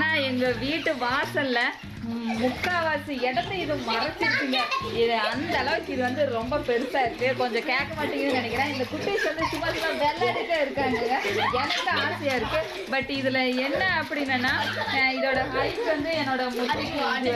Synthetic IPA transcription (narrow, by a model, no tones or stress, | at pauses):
naːɛŋɡɐʋiːʈːɯʋaːsɐlːɐ | mʊkːaːʋaːsiɛɽɐt̪d̪ɯɪðɯ̃mɐɾɐt͡ʃːɪɾɯkːɯŋɡɐɪðɐnd̪ɐlɐʋɯkːɪðɯʋɐnd̪ɯɾɔmbɐpɛɾɯsaːɪɾɯkːɯkɔɲd͡ʒɔ̃keːkːɐmaːʈːɪŋɡɐnːɯnɐɳɛkːɪnãːɪnd̪ɐkʊʈːɪsʋɐnd̪ɯsʊmaːsɪmãːʋeːlɐɪɾɯkːɐɪɾɯkːaːŋɡɐŋɡɐɛnɐkːɐaːsɐjaːɪɾɯkːɯ | bɐʈːɪðɯlɐɛnːɐːpːɐɽɪnːɐnːaːɪðoːɽɐkɐjpʋɐnd̪ɯɛnːoːɽɐmʊʈːɪkː